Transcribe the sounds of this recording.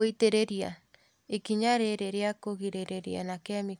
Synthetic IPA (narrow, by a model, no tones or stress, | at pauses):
iteɾeɾia̰ | ekiɲaɾeɾeɾeakoɣiɾeɾeɾḭa̰nakeami